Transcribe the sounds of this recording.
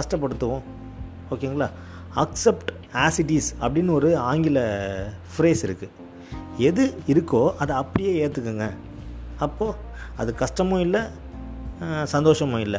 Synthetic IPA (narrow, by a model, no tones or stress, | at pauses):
kɐʂʈɐp̬ːɐɽɯt̪ːɯʋõː | oːkeːŋɡɐɭa̰ː | ɐksɛpʈ | aːsɪʈisɐpːɐɽɪnːɔɾɯaːŋɡɪlɐ | fɾeːsɪɾɯkːɯ | ɛðɯɪɾɯkːoːʔɐðɐɐpːɐɽɪjeːeːɾt̪ːɯkːɯŋɡɐ | ɐpːoː | ɐðɯkɐʂʈɐmõːɪlːɐ | sɐnd̪oːʂɐmõːɪlːɐ